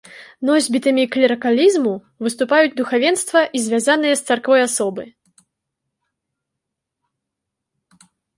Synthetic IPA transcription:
nɔzʲbʲit̪ɨmʲiklʲiɾɐkalʲizmu | vɨst̪upajud͡zʲd̪uxavʲɛnst̪vɐʔizʲvʲazanɨjɐst̪sarkvɔjasɔbɨ

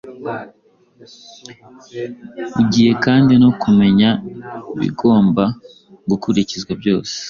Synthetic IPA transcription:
uɟiːje̞kaːndinokume̞ɲaiβḭɡo̞ːmba | ɡukuɾicizɡwabɟo̞ːse̥

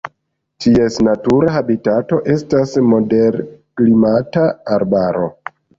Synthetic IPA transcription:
tʰie̞snatuɾaɦabitato̞ʔe̞stasmo̞de̞ɾklimataːɾbaɾo̞̰

